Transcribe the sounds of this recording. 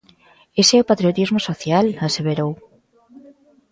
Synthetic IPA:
eseɛopat̪ɾjot̪izmosoθjalaseβeɾow

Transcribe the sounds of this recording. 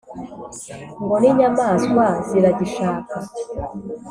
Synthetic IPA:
ŋɡoniɲamaːzwaziɾaɟiʃaːka

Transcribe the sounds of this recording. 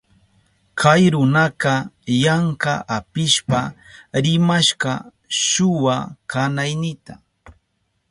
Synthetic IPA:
kʰajɾʊnɑqɑjaɴqa̰ʔapɪʃpaɾɪmaʃɢɑ | ʃʊwakanajnɪt̪a

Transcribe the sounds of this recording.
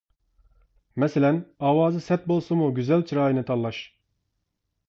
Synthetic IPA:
mɛsɪlɛnɑːwɑːzɨsɛt̪̚bolˠsumuɡʲyzɛlt͡ʃʰiɾɑːjinɨt̪ʰɑlˠːɑʃ

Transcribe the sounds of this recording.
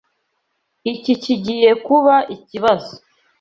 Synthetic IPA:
iciciɟije̞kuβaʔiciβazo̥

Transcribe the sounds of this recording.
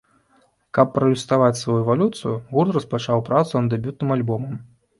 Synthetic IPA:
kɐpːɾɐjust̪avat͡sʲsvajuɛvalʲut̪sɨjuɣurt̪rɐspat͡ʂawpɾat̪sund̪d̪ɛbʲut̪̚nɨmalʲbɔmɐm

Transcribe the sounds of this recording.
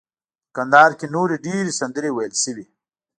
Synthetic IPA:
kand̪ɑːɾkenoɾeɖeɾesand̪əɾewajəlʃəwi

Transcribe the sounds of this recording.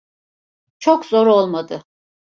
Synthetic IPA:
t͡ʃʰokzoɾolˠmad̪ɯ

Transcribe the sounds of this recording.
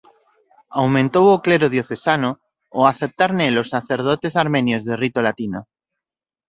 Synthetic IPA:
awmẽnt̪owokle̞ɾoð̞jo̞θe̞sanoː | aθep̚t̪aɾnelo̞sːaθe̞ɾð̞ot̪e̞saɾmẽ̞njozðerit̪olat̪ino

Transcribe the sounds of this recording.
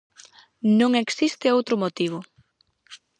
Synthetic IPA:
nõŋeksist̪ɪowt̪ɾʊmot̪iβ̞ʊ

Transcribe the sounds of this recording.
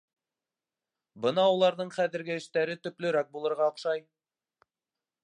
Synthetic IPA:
bɤnɑulˠɑɾðɤɴχæðɘ̆ɾɡɘɘ̆ʃt̪æɾɘt̪ɵ̆plɵ̆ɾæk̚bulˠɤ̆ɾʁɑɤ̆qʃɑj

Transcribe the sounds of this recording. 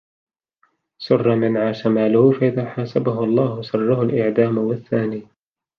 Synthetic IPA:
sʊrˤːɑmɪnʕaːʃamaːlʊhʊfaʔɪðaːħaːsabaɦʊʔɑlˤːɑːhʊsʊrˤːɑɦʊlʔɪʕd̪aːmwaθːaːniː

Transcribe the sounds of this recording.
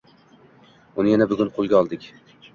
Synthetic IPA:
ʊnɪjanabʊɡʲʊnqʰolˠɡʲaɒlˠd̪ɪkʲ

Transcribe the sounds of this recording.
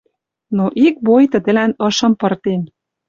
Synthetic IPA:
noʔik̚bojt̪ə̆d̪ə̆lænɤ̆ʃɤ̆mpɤ̆rt̪en

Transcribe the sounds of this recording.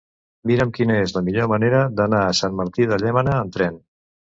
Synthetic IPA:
miɾəmkinəezləmiʎoməneɾəd̪ənaːsanməɾt̪iðəʎɛmənəːnt̪ɾɛn

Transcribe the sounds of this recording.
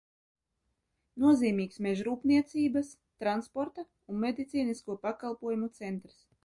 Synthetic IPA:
nuɔziːmʲiːksmeʒɾuːpniɛt̪siːbas | t̪ɾanspɔɾt̪a | unmʲed̪it̪siːniskuɔpakalˠpuɔjumut̪sɛnt̪ɾs

